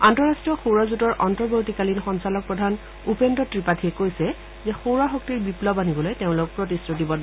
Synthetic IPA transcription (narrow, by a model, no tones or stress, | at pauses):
antɔɹastɹɔxowɹazutɔɹʔɔntɔbjotikalinxɔnsalɔk̚pɹɔdʱan | upendɔtɹipatʰijɛkojsɛ | zɛxowɹaxok̚tiɹbiplɔbanibɔlojteʊ̃lʊk̚pɹotisɹodibɔd